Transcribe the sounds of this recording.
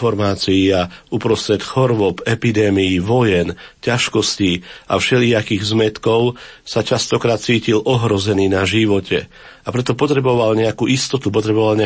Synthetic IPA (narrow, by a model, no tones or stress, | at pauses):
fɔɾmaːt͡sijiaupɾɔst̪ɾɛt̪xɔɾʋɔpɛpid̪ɛːmijiʋɔjɛncaʃkɔsciʔa̰fʃɛliakiːɣzmɛt̪kɔʊsat͡ʃast̪ɔkɾaːt̪̚t͡siːcilʔɔɦɾɔzɛniːnaʒiʋɔcɛ̰ | apɾɛt̪ɔpɔt̪ɾɛbɔʋalɲɛakuːʔist̪ɔt̪upɔt̪ɾɛbɔʋalɲɛ